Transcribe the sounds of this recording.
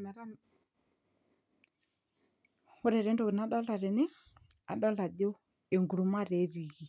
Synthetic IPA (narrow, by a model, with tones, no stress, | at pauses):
mɛ˨ɾa˦ | ʊ˦ɾɛ˨ɾɛ˦ndo˨kɪ˨na˨˦ɗɔ˦la˨ɾɛ˨nɪ˦ | a˨ɗɔ˦la˨do˦ | e˨ŋɡu˨ɾu˨ma˦ɾe˨˦ɾi˨ɣi˨